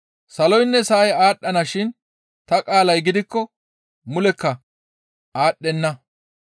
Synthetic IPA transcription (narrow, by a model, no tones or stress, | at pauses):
sɐlɔjnːɛsɐjaːɗːɐnɐʃɪn | t̪ɐkʼaːlɐjɡɪd̪ɪkːɔ | mʊlɛkːɐ | aːɗːɛnːɐ